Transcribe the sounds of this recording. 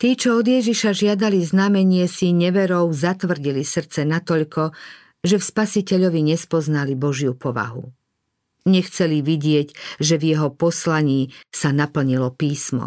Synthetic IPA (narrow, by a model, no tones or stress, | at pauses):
t̪iːt͡ʃɔɔd̪jɛʒiʃaʒɪad̪aliznamɛɲɪɛsiɲɛʋɛɾɔʊzat̪ʋr̩ɟilisr̩t͡sɛnat̪ɔʎkɔ | ʒɛfspasicɛʎɔʋiɲɛspɔznalibɔʒjupɔʋa̰ɦṵ | ɲɛxt͡sɛliʋiɟɪɛɟʒɛvjɛɦɔpɔslaɲiːsanapl̩ɲilɔpiːsmɔ̰